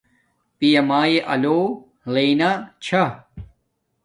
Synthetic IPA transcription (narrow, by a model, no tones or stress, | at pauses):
pijɐmaːjeʔɐ̰loː | leːnat͡ɕʰɐ